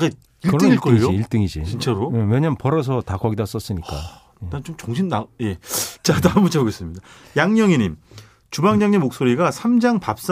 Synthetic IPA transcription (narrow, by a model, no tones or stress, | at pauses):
ɡe | iɭɯt͈ɯŋiɭk͈ʌijd͡ʑoiiɭt͈ɯŋid͡ʑḭt͡ɕint͡ɕʰaɾoeweɲampʌɾʌs̬ʰʌtakʌɡidas͈ʌs͈ɯɲik͈a̰ | etat͡ɕomt͡ɕoŋɕʰimnaje̞t͡ɕadamut͡ɕʰaboɡes͈ɯmɲida | jaŋɲʌŋiɲim | t͡ɕubaŋɲʌŋɲimːok̚s͈oɾiɡasʰamd͡ʑaŋpap̚s͈